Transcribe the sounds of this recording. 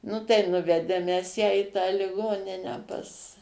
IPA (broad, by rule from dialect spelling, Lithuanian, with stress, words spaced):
ˈnʊ tɐɪ ˈnʊʋʲɛdʲeːm mʲɛs ˈjæː iː tɑː lʲɪˈɡoːnʲɪnʲæː pɐs